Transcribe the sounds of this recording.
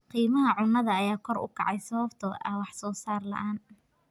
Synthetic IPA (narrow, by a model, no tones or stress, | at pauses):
qiːmɐɦɐʕʊnːɐðɐːjaːkʰɔrʊ̰kʰɑʕɑjsɐβɐbt̪ʰɐɛwɑħsɔːsaːrlɐ̰ʔaːn